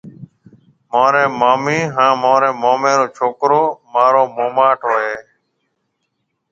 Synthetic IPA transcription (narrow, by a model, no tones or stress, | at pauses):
mãːɾeːmaːmiːɦãːmãːɾẽːmaːmẽːɾoːt͡ʃʰoːkɾoːmaːɾoːmoːmaːʈʰɦoːeː